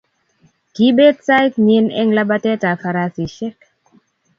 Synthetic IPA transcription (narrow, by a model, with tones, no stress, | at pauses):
ki˦be˦tsa˦jkɲe˦nɛ̰˦ŋla˦ba˦tɛ˦ta˨fa˧ɾa˦si˨ʃɛ˦k̚